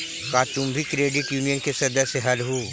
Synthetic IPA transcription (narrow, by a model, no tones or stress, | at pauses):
kaːt͡ʃʊ̃mbʱikɾeːɖɪʈjuːnijənkesɐd̪əseɦɐlɦuː